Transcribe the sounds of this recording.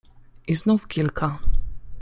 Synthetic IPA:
ʔiznufkʲilkʰa

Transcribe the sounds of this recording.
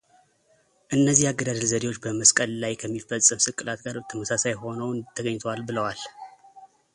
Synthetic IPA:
ʔɨnːəzːihaɡːəd̪ad̪əlzəd̪ewot͡ʃːbəməskʼəllajkʰəmːifəsʼːɨmsɨkʼɨlat̪ɡaɾbət̪ʰəməsasajho̞nəwnt̪ʰːəɡəɲːt̪ʰəwalbɨləwal

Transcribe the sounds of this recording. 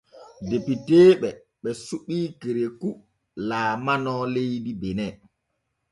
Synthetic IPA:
depiteːɓɛ | ɓɛsuɓiːkeɾeku | laːmanɔːlejdibɛnɛ

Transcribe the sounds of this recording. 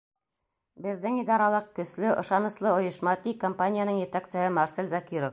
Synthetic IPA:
bɘ̆ðːɘŋid̪ɑɾɑlˠɤq̚kɵ̆slɵʔŏ̰ʃɑnɤ̆slˠɤŏjɤ̆ʃmɑt̪ikompanʲɪjanɤɴjɘ̆t̪ækt̪sɘ̆ɦɘmɑɾselzakʲiɾof

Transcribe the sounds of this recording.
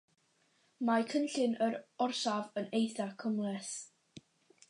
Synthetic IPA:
makʰənɬɪnəɾɔrsavənejθakʰəmlˠɛs

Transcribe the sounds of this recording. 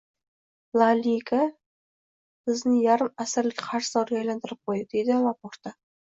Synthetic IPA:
lˠalʲikʰa | bɪznɪjaɾɪmasɪɾlɪkʲqʰɑɾʃzɒɾɡʲajlant̪ʰɪɾɪp̚qʰojd̪ɪd̪e̞jd̪ɪlˠapoɾt̪a

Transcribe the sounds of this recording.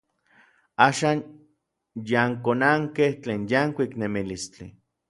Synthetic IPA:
aːʃaːn | jaŋkonaŋkeht͡ɬeːnjaŋkʷiknemilist͡ɬḭ

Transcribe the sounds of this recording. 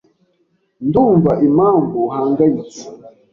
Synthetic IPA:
nduɱvaʔimaŋɡuhaːŋɡait͡si̥

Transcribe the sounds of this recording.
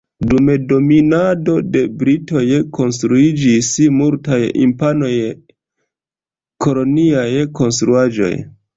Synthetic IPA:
dumedo̞minado̞de̞bɾito̞jko̞nstɾuid͡ʒismultajḭmpano̞j | kʰo̞lo̞niajko̞nstɾuad͡ʒo̞̰j

